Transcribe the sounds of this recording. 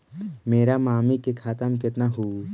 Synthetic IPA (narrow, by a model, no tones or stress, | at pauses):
meːɾamaːmikekʰaːt̪əmkɪt̪naɦuː